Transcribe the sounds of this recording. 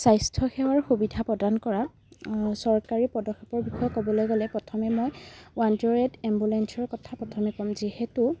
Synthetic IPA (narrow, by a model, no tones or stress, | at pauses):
sajstʰɔxɛwaɹxubidʱapɹɔdankɔɹa | sɔɹkaɹipɹɔdɔkxepɔɹbixɔjɔkɔbɔlojɡɔlɛpɹɔtʰɔmɛmojwantɔɹɛdɛmbulɛnsɔɹkɔtʰapɹɔtʰɔmɛkɔmzihɛtu